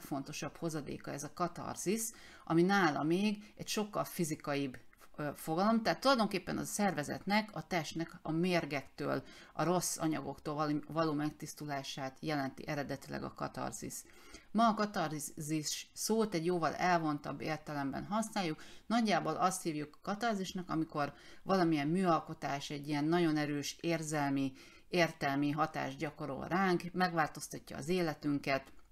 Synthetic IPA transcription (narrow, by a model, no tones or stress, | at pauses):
fo̞nt̪o̞ʃɒpho̞zɒd̪ḛːkɒɛzɒkɒt̪ɒ̰rzis | ʔɒminaːlɒmeːɡɛcʃo̞kːɒlfizikɒjib | fo̞ɡɒlo̞mt̪aːt̪ːulɒjd̪o̞ŋkeːpːɛnɒ̰sɛrvɛzɛ̰t̪nɛkʰɒt̪ɛʃt̪nɛkɒmeːrɡɛkt̪ø̰ːlɒ̰ɾo̞sːɒɲɒɡo̞kt̪oːlvɒloːmɛkt̪ist̪ulaːʃaːt̪jɛlɛnt̪ḭʔɛɾɛd̪ɛt̪ilɛ̰ɡɒ̰kɒt̪ɒ̰rzḭs | mɒːkɒt̪ɒrziʃːoːt̪ɛɟjoːvɒlɛlvo̞nt̪ɒ̰bːeːrt̪ɛlɛmbɛ̰nɦɒsnaːjːuknɒɟːaːbo̞lʔɒst̪hiːvjukkɒt̪ɒrziʃnɒkɒmiko̞rvɒlɒmijɛmmyːɒlko̞t̪aːʃɛɟːijɛnːɒɟo̞nɛɾøːʃeːrzɛlmi | eːrt̪ɛlmiɦɒt̪a̰ːʒɟɒko̞ɾo̞̰lraːŋkmɛɡʋaːlt̪o̞st̪ɒcːɒ̰ːzeːlɛt̪yŋkɛt̪